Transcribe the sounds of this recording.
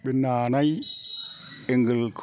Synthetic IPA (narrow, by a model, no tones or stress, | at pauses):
ɓɛnaːnaj | ɛŋɡəlkʰ